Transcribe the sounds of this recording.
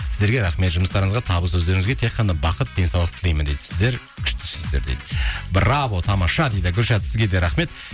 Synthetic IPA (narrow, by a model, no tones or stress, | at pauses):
sɪzd̪eɾɡʲe̞ɾɑχme̞t̪ʒʊməst̪ɑɾəŋəzʁɑt̪ʰɑbəs̬ɵzd̪e̞ɾɪŋɪzɡʲe̞t̪ʰeqːɑnɑbɑqət̪̚d̪e̞nsɑwlˠəq̚t̪ʰɪlˠijmənd̪ejd̪ɪsɪzd̪e̞ɾ | kʲʰʏ̥ʃt̪ɪ̥sɵzd̪eɾd̪ejd̪ɪbɾɑvo̞t̪ʰɑmɑʃɑd̪ejd̪ɪɡʲʏɾʃɑt̪sɪzɡʲe̞d̪eɾɑχme̞t̪